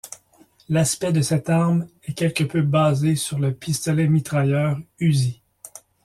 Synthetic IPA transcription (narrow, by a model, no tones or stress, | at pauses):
laspɛd̪əsɛt̪aʁmɛkʲɛlkʲəpøbazesyʁləpʰist̪ɔlɛmit̪ʁajœːʁyzi